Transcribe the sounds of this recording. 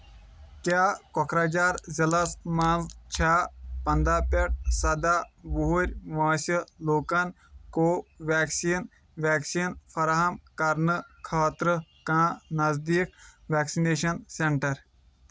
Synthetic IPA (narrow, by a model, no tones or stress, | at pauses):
kʲaːkɔkʰɾaːd͡ʒaːɾzɐlɐsmãːzt͡ʃʰaːpɐnd̪aːpeʈ̚sɐd̪aːʋuɦuɾʲʋaːsəloːkɐn | koːʋɛːksiːn | ʋæːksiːnfɐɾaːɦɐmkɐɾnɨkʰaːt̪ɾɨkãːnɐzd̪iːk̚ʋæːksineːʃɐnseɳʈɐɾ